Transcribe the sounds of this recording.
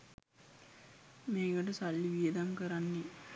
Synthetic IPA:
meːɡəʈəsalːiʋiəd̪aŋkəɾanːi

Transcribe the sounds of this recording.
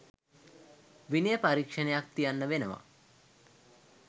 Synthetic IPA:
ʋinijəpaɾikʂənejak̚t̪ijanːəʋenəʋa̰

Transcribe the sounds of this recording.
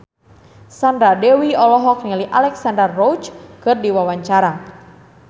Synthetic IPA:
sandɾadɛwiɔlɔɦɔk̚ŋaliʔalɛksandərːɔwt͡ʃkɨrdiwawaɲt͡ʃaɾa

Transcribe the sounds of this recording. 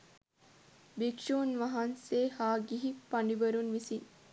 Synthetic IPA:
bikʃuːnʋɐɦanseːhaːɡiɦipaɳɖibəɾunʋisin

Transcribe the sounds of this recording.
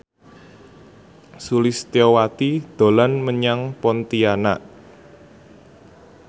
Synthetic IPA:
sulɪst̪jɔwat̪id̪̥o̤lanməɲaŋpɔnt̪iana̰ʔ

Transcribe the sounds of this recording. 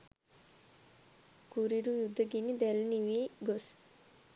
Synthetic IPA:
ɡ̥uɾiɾujud̪ʱːəɡinid̪ælniʋiːɡos

